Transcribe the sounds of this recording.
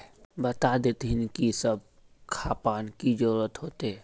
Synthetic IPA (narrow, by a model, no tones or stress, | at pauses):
bət̪ad̪et̪ɦɪnkisəb̚ | kʰaːpaːnkid͡ʒəɾuːɾət̪ɦoːt̪e